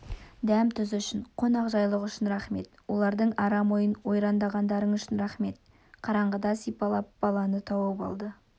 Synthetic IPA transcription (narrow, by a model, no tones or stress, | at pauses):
d̪æmt̪ʰʏzʏʃɪnqʰo̞nɑqʒɑjlˠəqʏʃɪnɾɑχme̞̰t̪wo̞lˠɑɾd̪əɴɑɾɑmo̞jənwo̞jɾɑnd̪ɑʁɑnd̪ɑɾəɴʏʃɪnɾɑχme̞t̪̚ | qʰɑɾɑɴʁəd̪ɑsijpɑlˠɑp̚bɑlˠɑnət̪ʰɑwəpɑ̰lˠd̪ə